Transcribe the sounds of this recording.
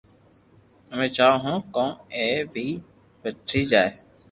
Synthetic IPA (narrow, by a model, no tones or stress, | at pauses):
əmẽːt͡ʃaːɦõːkõːeːbʱiː | beːʈʰːiːd͡ʒaːeː